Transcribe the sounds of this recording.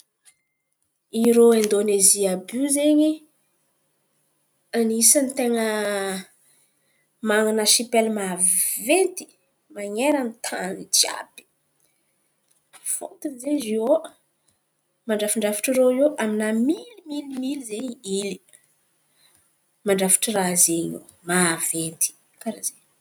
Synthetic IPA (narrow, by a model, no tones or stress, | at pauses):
iɾoend̪oneziabuzeɲi | anisanit̪eŋə | maŋanaʃipelmavent̪i̥ | maɲeɾanit̪ʰanid͡ʒia̰bi̥ | fo̰nt̪inzezio | maɳɖ͡ʐafiɳɖ͡ʐafi̥ʈ͡ʂirooʔaminamilimilimilizeiili | maɳɖ͡ʐafi̥ʈ͡ʂirazeɲo̰ | mavent̪i̥ | kaɾaze